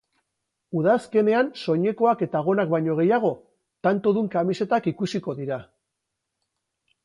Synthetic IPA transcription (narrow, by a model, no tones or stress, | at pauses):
uðaske̞ne̞anso̞ɲe̞ko̞ake̞t̪aɣ̞o̞nak̚bajɲo̞ɣe̞jaɣ̞o̞ | t̪ant̪o̞ðuŋkamise̞t̪akikusiko̞ðiɾa